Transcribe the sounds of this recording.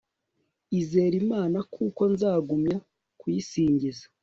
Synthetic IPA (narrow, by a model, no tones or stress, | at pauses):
ize̞ːɾimaːnakʰuko̞nzaːɡumɲa | kwisiːɲɟizḁ